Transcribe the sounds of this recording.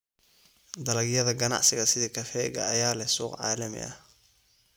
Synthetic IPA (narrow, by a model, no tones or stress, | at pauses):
d̪ɐlɐɣjɐðɐɡɐnɑ̰ʕsɪɣɐsɪðiːkʰɐfɛːɣɐ̰ɐjaːlɛhsuːqʕɑ̰ːlɐmɪ̰ʔɐ̰